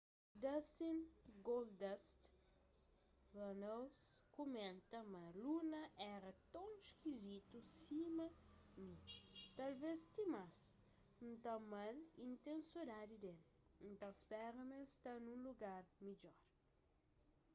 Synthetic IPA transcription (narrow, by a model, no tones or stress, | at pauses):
d̪ɐsĩnɡold̪ɛst̪ | vɐnoskomẽnt̪ɐmɐlunɐʔɛɾɐt̪ɐ̃w̃iʃkizit̪usimɐnĩt̪ɐlvest̪imas | nũt̪amalĩnt̪ẽnsod̪ad̪id̪ẽn | nt̪ãspɛɾɐmẽst̪anũluɡaɾmid͡ʒɔɾ